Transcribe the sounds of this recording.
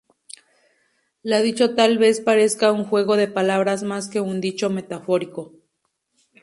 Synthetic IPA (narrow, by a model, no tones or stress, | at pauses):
laðit͡ʃot̪alβespaɾeskauŋxweɣoðepalaβɾasmaskeund̪it͡ʃomet̪afoɾiko